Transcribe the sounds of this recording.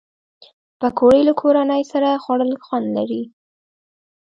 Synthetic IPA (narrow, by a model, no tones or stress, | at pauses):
pəkʰoɽelakʰoɾanəjsaɾaxwaɽəlxwand̪laɾi